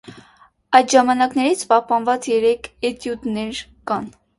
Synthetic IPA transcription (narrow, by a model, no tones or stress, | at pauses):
ɑjd̪ʒɑmɑnɑknɛɾit͡sʰpɑhpɑnvɑt͡sjɛɾɛkʰɛt̪jut̪nɛɾkɑn